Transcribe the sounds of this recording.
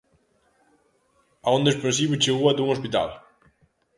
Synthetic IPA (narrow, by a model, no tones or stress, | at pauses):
aõnd̪eʃpɾẽnsiβit͡ʃeɣuad̪uŋospit̪a̰l